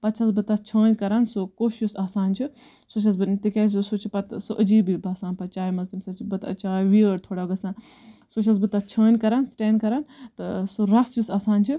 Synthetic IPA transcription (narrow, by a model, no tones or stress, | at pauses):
pɐt͡ʃʰɐsbɨt̪at͡ʃʰəːnʲkɐɾansokoːʃusaːsaːnt͡ʃʰi | sot͡ʃʰɐs̬bɨnt̪ikʲeːs̬sut͡ʃʰipɐt̪soʔəd͡ʒiːbibʱaːsaːnpɐt͡ʃaːimɐzimsɐt͡ʃʰbɐt̪ɐ̰t͡ʃaːiʋiəɽt̪ʰoːɽaːɡɐsãː | sot͡ʃʰɐs̬bɨt̪at͡ʃʰəːnʲkɐɾaːnsʈeːnkɐɾant̪ɨsoɾɐsjusaːsaːnt͡ʃʰɨ